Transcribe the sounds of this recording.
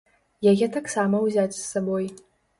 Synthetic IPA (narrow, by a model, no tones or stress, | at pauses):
jaɣʲɛt̪aksamɐwzʲat͡sʲsːaboj